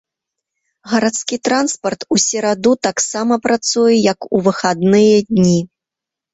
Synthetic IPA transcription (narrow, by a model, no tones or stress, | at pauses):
ɣɐɾat̪skʲit̪ɾanspɐrt̪usʲɛɾad̪ut̪aksamɐpɾat̪sujɛjɐkuvɨxad̪nɨjɐd̪ʲnʲi